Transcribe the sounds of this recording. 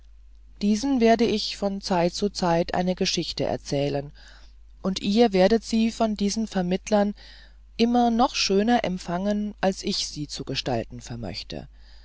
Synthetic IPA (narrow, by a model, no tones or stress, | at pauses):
d̥iːzn̩veːɐdəɪçfɔnt͡saɪt̚t͡sut͡saɪtʔa̰ɪnəɡəʃɪçtə̰ʔɛ̰ɐt͡sɛːlən | ʔʊntʔiːɐveːɐdətz̥iːfɔndiːzn̩fɛɐmɪtʰlɐn | ʔɪmɐnɔχʃøːnɐʔɛ̰mpfaŋənʔalsʔɪçz̥iːt͡suɡəʃta̰ltn̩fɛɐmœ̰çtʰə̰